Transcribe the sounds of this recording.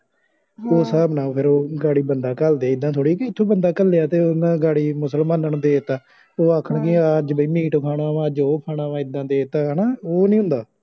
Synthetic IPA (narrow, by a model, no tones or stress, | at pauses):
oːsaːbnãːpʰɪɾoːɡaːɽiːbənd̪aːkəld̪eaːɪd̪ːãːt̪ʰoːɽiːkiɪt̪ʰːõːbənd̪aːkəlːeːaːt̪eːʊnãːɡaːɽiːmʊsəlmãːnəɳd̪eːt̪aː | oːaːkʰəɳkɪəd͡ʒbəiːmiːʈkʰaːɽaːʋãːd͡ʒoːkʰaːɽaːʋãːɪd̪ːãːd̪eːt̪aːnaːoːnĩːɦʊ̃nd̪aː